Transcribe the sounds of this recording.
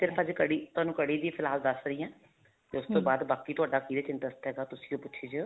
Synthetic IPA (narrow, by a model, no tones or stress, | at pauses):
sɪɾpʰəd͡ʒkəɽiːt̪ʊaːnũːkəɽiːd̪iːpʰɪlɦaːld̪əsɾəiːɛ̃ː | k̪eʊst̪õːbaːd̪baːkiːt̪ʊaːɖaːkiːɾeːt͡ʃɪnʈəst̪ɦɛːɡaːt̪ʊsĩːõːpʊtːʃʰeːd͡ʒə